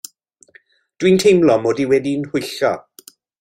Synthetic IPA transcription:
d̥wintʰejmlˠɔmoːdiwɛdinhʊjɬɔ̰

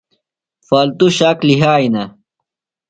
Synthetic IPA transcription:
faːlt̪uɕaːkliɦaːinɐ

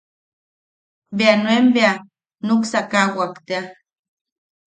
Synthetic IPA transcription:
beanwembea | nuksakawakt̪ea

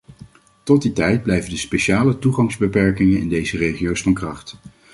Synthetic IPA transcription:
tɔt̚ditɛjd̚blɛjvəndəspeʃaːlətuχɑŋzbəpɛɹkɪŋənɪ̰ndejzərejχijowsfɑnkrɑχt

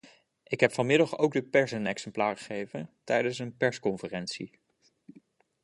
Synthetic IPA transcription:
ʔɪkɦɛpfɑnmɪdɑχowɡ̚dəpɛɹsəənɛksɛmplaːɹχə̥χejvəntɛjdənsənpɛɹskɔnfərɛntsḭ

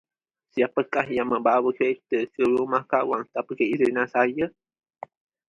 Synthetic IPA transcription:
siapəkahjaŋmə̃mbawəkəɾet̪əkəɾumahkawaŋt̪apəkəizenãsaja

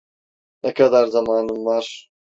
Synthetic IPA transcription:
nɛkʰad̪aɾzamaːnɯmvaɾ̥

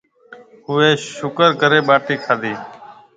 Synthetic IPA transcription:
ɦʊʋeːʃʊkəɾkəɾeːɓaːʈiːkʰaːd̪iː

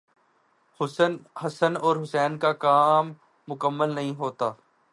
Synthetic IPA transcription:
hɦɐsənɔːɾɦʊsɛːnkakaːmː | ʊkəmːəlnɐɦĩɦoːt̪aː

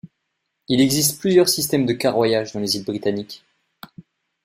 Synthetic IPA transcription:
ilɛɡzist̪plyzjœʁsist̪ɛmd̪əkaʁwajaʒd̪ɑ̃lezilbʁit̪anik

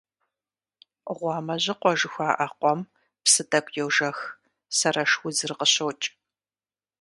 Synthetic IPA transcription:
ʁʷɑːmɐʑɪqʷɔʒɨxʷaːʔɐqʷɔm | psɨdɐkʷʰʼjɛwʒɐx | sɐrɐʂwʊzɨrqəɕowt͡ʃʼ

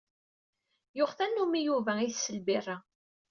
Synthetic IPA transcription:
jʊʁθænːumijuvæiθsəlbɪrˤːa

